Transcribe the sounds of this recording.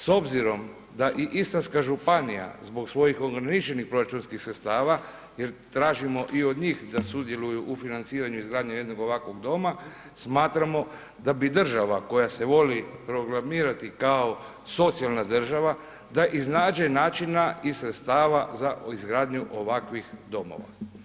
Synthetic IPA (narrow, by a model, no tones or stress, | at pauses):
so̞bziɾo̞m | d̪aʔiʔist̪anskaʒupanija̰zbo̞ksʋo̞jixo̞ɡɾanit͡ʃe̞nixpɾo̞ɾat͡ʃunskixsɾet̪st̪aːʋa | je̞ɾt̪ɾaːʒimo̞ʔio̞d̪ɲiːxd̪asud̪je̞lujuʔufinant̪siːɾaɲuizɡɾaːd̪ɲeje̞d̪no̞ɡo̞ʋakʋo̞ɡd̪o̞ma | smaːt̪ɾamo̞ | d̪abid̪r̩ʒaʋako̞jase̞ʋo̞lipɾo̞ɡɾamiːɾat̪ikao | so̞t̪sijalˠnad̪r̩ʒaʋa | d̪aʔiznaːd͡ʒenaːt͡ʃinaisɾet̪st̪aːʋazaizɡɾaːd̪ɲuʔo̞ʋakʋixd̪o̞mo̞̰ʋa̰